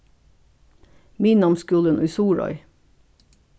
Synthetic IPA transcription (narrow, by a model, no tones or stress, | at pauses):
miːnɑmskʉːlənʔʉːsuːɹɔ̰ʏ